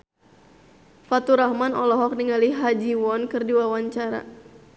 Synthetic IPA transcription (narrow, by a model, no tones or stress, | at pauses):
fat̪uɾahmanɔlɔɦɔk̚niŋaliɦad͡ʒiwɔnkɨrdiwawaɲt͡ʃaɾa̰